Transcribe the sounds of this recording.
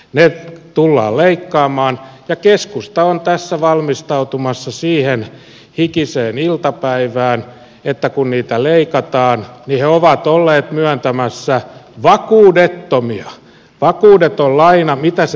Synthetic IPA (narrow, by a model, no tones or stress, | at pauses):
net̪ulːɑ̰ːlleikːɑːmɑːnjɑkeskust̪ɑont̪æsːæʋɑlmist̪ɑut̪umɑsːɑsiːhen | hikiseːnilt̪ɑpæiʋæːn | et̪ːækunniːt̪æleikɑt̪ɑːnniheoʋɑt̪olːeːt̪myœnt̪æmæsːæʋɑkuːdet̪ːomiɑ | ʋɑkuːdet̪ollɑinɑmit̪æs